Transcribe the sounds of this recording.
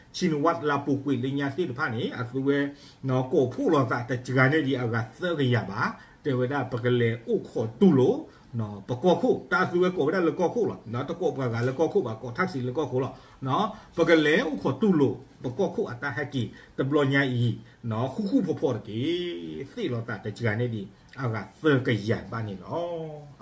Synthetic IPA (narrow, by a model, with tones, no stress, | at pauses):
t͡ʃʰi˨ni˨wa˦t̚la˨po˨kwe˨le˨ɲã˦˨se˦˨də˨pʰa˦˨ne˨ʔə˨θu˦wɛ˦ | nɔ˦kɔ˨pʰo˦˨lɔ˨za̰˦˨ta˨d͡ʒə˨ɡa˨nɛ̃˦˨di˨ʔa˨ɡa˨θɛ˦ɡə˨ja˨ba˨˦ | tɛ̃˨wɛ˦da˦˨bə˨ɡə˨lɛ̃˨ʔu˦˨kʰɔ˨t̪u˨lo˦˨ | nɔ˨˦b̥ə˨kɔ˦˨kʰo˦˨ta˨ʔə˨θu˦wɛ˦kɔ˨wɛ˦a˦˨lə˨kɔ˦kʰo˦˨lɔ˨nɔ˦tə˨kɔ˨bɡa˨ɡa˨lə˨kɔ˦kʰo˦˨ba˨kɔ˨tʰa˦k̚si˨lə˨kɔ˦˨kʰo˦˨lɔ˨ | nɔ˦b̥ə˨ɡə˨lɛ̃˨˦ʔu˦˨kʰɔ˨t̪u˨lo˨b̥ə˨kɔ˦˨kʰo˦˨ʔa˨t̪a˦˨ha˦˨ke˨tə˨blɔ˧˨ɲã˧˦ʔi˨ | nɔ˨˦hu˦˨hu˦˨pʰɔ˨pʰɔ˦˨də˨ke˨˦θe˦˨lɔ˨t̪a̰˦˨də˨d͡ʒə˨ɡa˨nɛ˦˨di˨ | ʔa˨ɣa˨θə˦kə˨ja˨ba˨ne˨lɔ˦